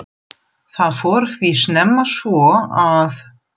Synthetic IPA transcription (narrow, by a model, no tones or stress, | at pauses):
θaðfɔɾθvisnɛmːasvɔað